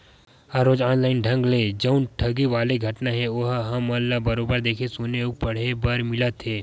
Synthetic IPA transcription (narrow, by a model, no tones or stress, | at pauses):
aːɾoːd͡ʒaːnlaːɪnɖʱɐ̃ŋɡleːd͡ʒɐʊnʈʰɐɡiʋaːleɡʱɐʈnaɦɛ̃oɦɦɐmːɐlːabɐɾoːbəɾd̪eːkʰẽsuːneoːk̚pɐɽ̤ebaɾmɪlət̪ɦeː